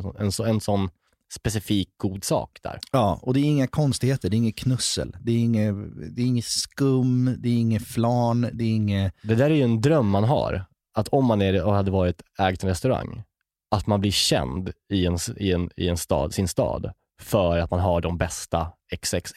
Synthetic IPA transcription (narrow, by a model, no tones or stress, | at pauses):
sɔnɛ̰nsɛnsɔnː | spɛsɪfiːk̚ɡ̥uːd̪sɑ̰ːkd̪æ̰ːɾjɑːɔd̪ɛːɾɪŋːakʰɔnst̪ɪɡheːt̪əɖɛɪŋːəkʰnɵsə̰ld̪ɛːɾɪŋːəd̪ɛːɾɪŋːəskɵmːd̪ɛːɾɪŋːəflɑːnd̪ɛːɾɪŋːəd̪ɛd̪æːɾæjɵɛnd̪ɾœmːanɦa̰ɾ | at̪ʰɔmːanæɾhad̪ːəvɑːɾɪt̪ɛːɡt̪ʰɾɛst̪ɵɾa̰ŋː | ʔat̪manblɪɕɛ̰nd̪ɪɛnsɪɛnɪ̰ɛnst̪ɑ̰ːd̪sɪnst̪ɑ̰ːd̪ | fœɾat̪manɦaɖɔmbɛst̪aɛksɛks